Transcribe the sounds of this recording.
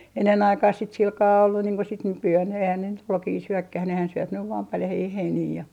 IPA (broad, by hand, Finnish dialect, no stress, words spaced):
enːen ɑikɑːh sit silkɑː olːu niːŋ ko sit nykyæːn eihæn ne nyt ruokiː syøkːæh nehæn syøp nyʋ ʋɑː pɑljɑhiː heiniː jɑ